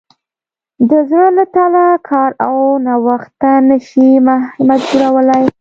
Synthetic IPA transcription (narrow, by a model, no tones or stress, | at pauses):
d̪əznələt̪alakʰɑɾawnawaxt̪anəʃimamad͡ʒbuɾawəlaj